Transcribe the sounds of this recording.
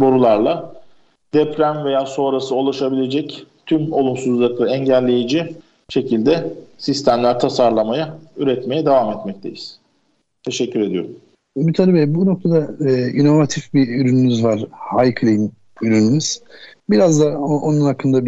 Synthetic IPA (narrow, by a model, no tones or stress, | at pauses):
boɾulˠaɾlˠa | d̪̥ɛpɾæmve̞jaːso̞ːɾasɯo̞lˠaʃabilʲe̞d͡ʒɛct̪ʰymolˠumsuzlˠɯklˠɯɛɲɟælʲːe̞jid͡ʒi | ʃe̞cʰilʲd̪ɛsist̪ʰæmlʲæɾt̪ʰasaɾlˠamajayɾɛt̪me̞jɛd̪evamɛt̪mɛc̚t̪ʰe̞̰jiz̥ | t̪ʰe̞ʃɛcʰːyɾe̞d̪ijo̞̰ɾum | mit̪ʰalʲibɛbuno̞k̚t̪ʰad̪aːino̞vat̪ʰifbiyɾynymyzvaɾ̥hajkʰlʲˠijn | yɾynymyz̥biɾazd̪aoʔonunhakʰːɯnd̪ab